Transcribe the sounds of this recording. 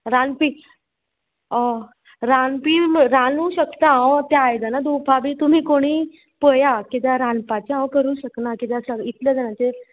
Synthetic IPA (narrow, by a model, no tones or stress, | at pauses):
ɾanpi | ɾanpiːɾanuɕəkt̪aãt̪jaajd͡zanad̪upʰabiːt̪um̤iːkoɽ̃iː | pəjakit̪̬jaɾanpat͡ɕiãwkəɾuːɕəknakit̪jasəit̪ljəd͡zanat̪eɾ